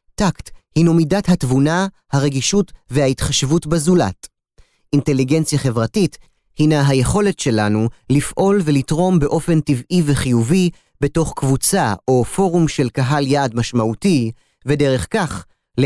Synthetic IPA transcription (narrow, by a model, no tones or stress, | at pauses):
takthinumidatɦatvunahaʁe̞ɡiʃutve̞haitχaʃvutbezula̰t | inte̞liɡe̞nt͡sjaχe̞vʁatit | hinaɦajeχo̞le̞tʃe̞lanulifʔo̞lvelitʁo̞mbe̞ʔo̞fe̞ntivʔiveχijuvi | be̞to̞χkvut͡saʔo̞fo̞ʁumʃe̞lkaɦaljaːdmaʃmaʔuti | vede̞ʁe̞χkaχ | l